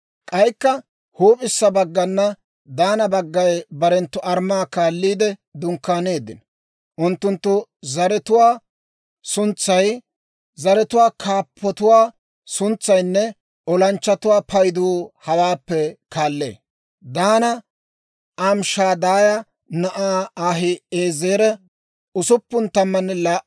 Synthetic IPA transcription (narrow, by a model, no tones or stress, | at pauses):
kʼɐjkːɐ | huːpʼɪsːɐbɐɡːɐnːɐ | d̪aːnɐbɐɡːɐjbɐɾɛnt̪ːʊʔɐɾmaːkaːlːiːd̪ɛd̪ʊŋkːaːne̞ːd̪ɪ̰n | ʔʊnt̪ːʊnt̪ːʊzɐɾɛt̪ʊwaː | sʊnt͡sːɐj | zɐɾɛt̪ʊwaːkʰaːpʰːɔt̪ʊwaː | sʊnt͡sːɐjnːɛ | ɔlɐnt͡ʃːɐt̪ʊwaːpʰɐjd̪uːhɐwaːpːɛkaːlːḛː | d̪aːnɐ | ʔɐmʃaːd̪aːjɐ | nɐʔaːaːɦɪeːzeːɾɛ | ʊsʊpːʊnt̪ɐmːɐnːɛlaʔ